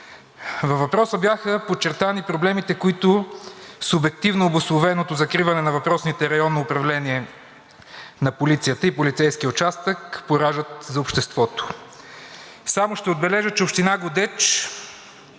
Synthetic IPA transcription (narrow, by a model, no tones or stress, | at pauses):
vɐfvːɐpɾɔsəbjaxəpot͡ʃːɛɾt̪anipɾoblɛmit̪ɛkʊit̪ʊsʊbɛk̚t̪ivnoːbʊslˠʊvɛnot̪ozɐkɾivɐnɛnɐvɐpɾɔsnit̪ɛɾɐjɔnːoːpɾɐvlɛniɛ | nɐpolit̪sijət̪əipolit̪sɛjskijəʊt͡ʃast̪əkpoɾaʒət̪zɐʊpʃt̪ɛst̪vɔt̪o̥ | samʊʃt̪ɛʊd̪̚bɛlɛʒət͡ʃɛʊpʃt̪inaɡʊd̪ɛt͡ʃ